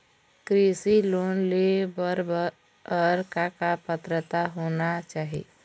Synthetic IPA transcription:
kɾisiloːnlebəɾb | əɾkakapət̪ɾət̪aɦonat͡ʃaːɦḭ

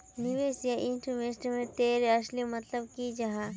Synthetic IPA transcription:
nɪʋeːsjaʔɪ̃nʈʰmesʈmẽt̪eːɾeɐslimɐt̪ləbkid͡ʒɐɦã

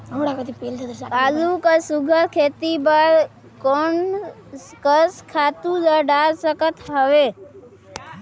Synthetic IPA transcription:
əɽakət̪ipilt̪əd̪əkaːlukasʊɡʱəɾkʰeːt̪ibəɾ | koːn | skəskʰaːt̪ũləɖaːlsəkət̪ɦəʋeː

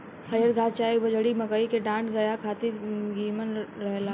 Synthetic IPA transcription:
hɐjəɾɡʱaːt͡ʃaːekbɐd͡ʒʱɽimɐkəikeɖãːʈɡɐjakʰaːt̪iɡiːmənɾɐɦla

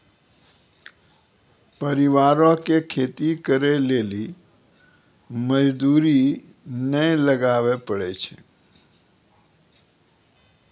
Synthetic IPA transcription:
pəɾiʋaːɾõkekʰeːt̪ikəɾeleli | məd͡ʒd̪uːɾi | nəjləɡaːʋepəɽɛt͡ʃʰḛ

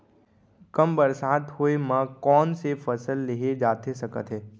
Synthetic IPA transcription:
kɐmbəɾsaːt̪hoemãkɔːnsefɐsəlːeɦed͡ʒaːt̪esɐkət̪ɦɛː

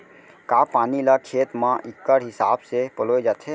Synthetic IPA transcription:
kaːpaːnilakʰeːt̪mãʔɪkːəɾɦɪsaːbsepəloːed͡ʒat̪ʰɦe

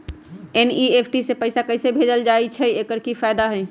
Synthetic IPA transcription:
eniepʰʈisepəɪsakəjsebʱed͡ʒəld͡ʒajt͡ʃʰɛekəɾkifajd̪aɦə̃j

